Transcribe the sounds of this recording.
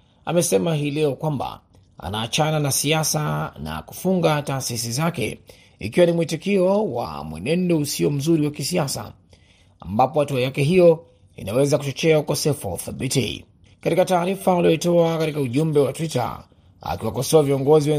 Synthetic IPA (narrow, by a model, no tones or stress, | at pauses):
a̰mɛsɛmaɦiːlɛɔkwamba̰ | a̰naːt͡ʃananasiasana̰ku̥fuŋɡataːsisizakɛ̰ | ḭkiwanimwitikiɔwa̰mwɛ̰nɛndɔusiɔm̩zuɾiwakisiasa̰ | ambapɔhatuajakɛɦijɔ | ḭnawɛzakut͡ʃɔt͡ʃɛaukɔsɛfua̰θabitḭ | katikataːɾifaulijɔitɔakatikauʄumbɛwatwita̰ | a̰kiwakɔsɔaviɔŋɡɔziwɛ